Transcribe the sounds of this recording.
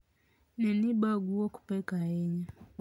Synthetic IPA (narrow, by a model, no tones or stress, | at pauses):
niniɓaɡuɔku̥pɛkaɛɲɛ